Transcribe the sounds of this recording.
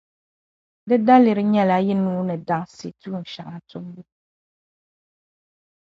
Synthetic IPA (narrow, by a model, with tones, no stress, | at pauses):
dɨ˦da˦lɪ˨ɾɨ˦ɲɛ˦la˦jɛ˦nuː˦nɨ˨da˦ŋsḛ˨tʰu˦˨n̩˨ʃa˨ŋa˨tʊ˦mbu˦